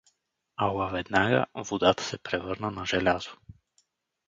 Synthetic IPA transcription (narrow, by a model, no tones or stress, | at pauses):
alˠavɛd̪naɡə̰vod̪at̪ə̥sɛpɾɛvɤɾnənaʒɛlʲazo̥